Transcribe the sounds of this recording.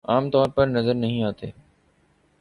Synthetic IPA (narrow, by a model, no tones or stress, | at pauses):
aːmt̪ɔːɾpɐɾnɐzəɾnɐɦĩaːt̪ḛː